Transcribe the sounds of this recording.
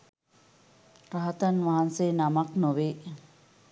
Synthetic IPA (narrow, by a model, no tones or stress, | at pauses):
ɾaɦat̪anʋaɦansenamaknoʋeː